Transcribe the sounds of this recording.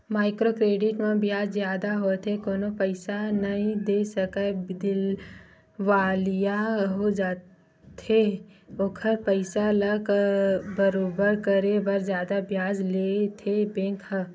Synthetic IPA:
maːɪkɾoːkɾeːɖɪʈmẽbjaːd͡ʒzjaːd̪aɦot̪ʰekoːnopəɪsanəɦĩd̪eːsəkəd̪ɪl | ʋaːlijaɦod͡ʒaː | t̪eoːkʰəɾpəɪsaləkbəɾoːbəɾkəɾebɐɾzjaːd̪abjaːd͡ʒlet̪ʰebẽːk

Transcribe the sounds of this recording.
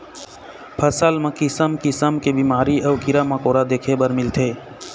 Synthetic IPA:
pʰəsəlmẽkɪsəmkɪsəmkebimaːɾiʔəʊkiɾaməkoːɾad̪eːkʰebəɾmɪlt̪ʰe

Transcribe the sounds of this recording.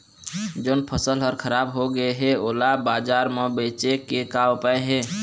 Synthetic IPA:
d͡ʒoːnpʰəsəlɦəɾkʰəɾaːbɦoɡəeɦẽoːlabaːd͡ʒaːɾmebeːt͡ʃekekapaeɦɛ̃ː

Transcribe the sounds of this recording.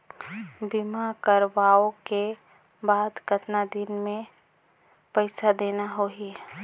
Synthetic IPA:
bimakəɾʋaːoke | baːd̪kət̪nad̪inmẽ | pəɪsad̪eːnaɦoi

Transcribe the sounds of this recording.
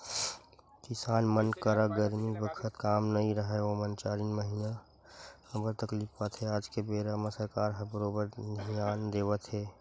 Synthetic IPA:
kɪsaːnmənkəɾəɡəɾmibəkʰət̪kaːmnɐĩɾəɦeomənt͡ʃaːɾinməɦina | hɐbəɾt̪ɐkliːfpat̪ɦeaːd͡ʒkebeːɾaməsəɾkaːɾɦɐbəɾoːbəɾjaːnd̪eːʋət̪ɦɛː

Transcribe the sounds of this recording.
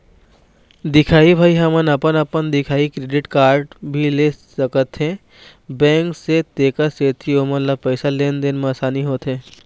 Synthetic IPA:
d̪ɪkʰaːibʱaːiɦɐmənɐpənɐpənd̪ɪkʰaːikɾeːɖɪʈkaːɾɖbʱilesəkət̪ɦẽ | bɛ̃ːŋkset̪eːkaseːt̪ʰioːmət̪ləbpəɪsaleːnd̪enmaːsaːniɦoːt̪ɦẽː

